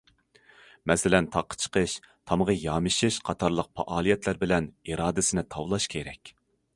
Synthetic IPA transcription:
mɛsɪlɛnt̪ʰɑqʰːə̥t͡ʃʰə̥qʰəʃ | t̪ʰɑməʁɑjɑːmɨʃiʃqʰɑt̪ʰɑɾlˠəq̚pʰɑ̰ʔɑːlˠijɛt̪læɾbɪlɛniɾɑːd̪ɪsɪnɪt̪ʰɑwlˠɑʃkʲʰeɾɛkʲ

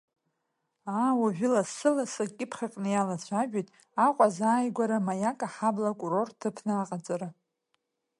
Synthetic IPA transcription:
aːwaʒᶣʊlasɨlasakʲʼɪpʰχakʼnɨjalat͡ɕʷʰaʒᶣijtʼ | aqʷʼazaːjɡʷaɾamajakʼaħablakʷʼuro̞rtʰɨpʰnɨaqʼat͡sʼaɾa

